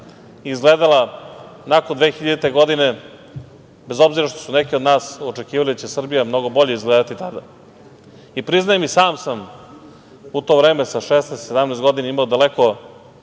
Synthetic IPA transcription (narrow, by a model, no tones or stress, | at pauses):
izɡle̞ːd̪alˠanakond̪ʋeːxiʎad̪it̪e̞ɡo̞d̪ine̞ | be̞zo̞bziɾaʃt̪o̞sunekiod̪naːso̞t͡ʂekiːʋalid̪at͡ɕe̞sr̩bijamno̞ɡo̞bo̞ʎeizɡled̪at̪it̪ad̪a | ipɾiznajemisaːmsam | ut̪o̞vɾe̞ːme̞saʃesnest̪sed̪amnest̪ɡo̞d̪inaimaod̪aleko̞